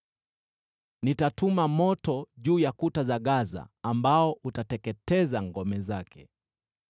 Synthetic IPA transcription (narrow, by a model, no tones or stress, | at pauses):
nitatumamɔtɔʄuːjakutazaɠaza̰ːmbaɔʔutatɛkɛtɛzaŋɡɔmɛzakʰɛ̰